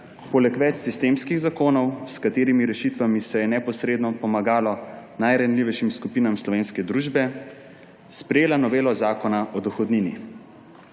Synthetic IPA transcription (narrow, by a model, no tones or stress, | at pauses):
poːlɛkʋɛt͡ʃsist̪eːmskiɣzakoːnɔwskat̪eːɾimiɾɛʃit̪ʋamisɛjɛnɛpɔsɾeːd̪nɔpɔmaɡaːlɔnajɾanliʋɛjʃimskupiːnamslɔʋeːnskɛd̪ɾuːʒbɛ | spɾɛjeːlanɔʋeːlɔzaːkɔnaʔɔd̪ɔxɔd̪ninḭ